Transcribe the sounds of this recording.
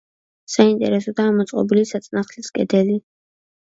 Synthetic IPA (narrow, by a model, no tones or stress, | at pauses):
saint̪ʼɛ̰ɾɛsɔd̪aːmɔt̪sʼqʼɔbilisat̪sʼnaχliskʼɛd̪ɛli